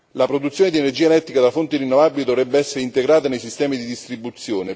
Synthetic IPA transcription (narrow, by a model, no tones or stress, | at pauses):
lapɾod̪ut̪sːjoːned̪ienerd͡ʒiːaelɛt̪ːɾikad̪afont̪irinːovaːbilid̪ovɾɛbːeɛsːeɾeint̪eɡɾaːt̪anejsist̪ɛːmid̪id̪ist̪ɾibut̪sːjoːne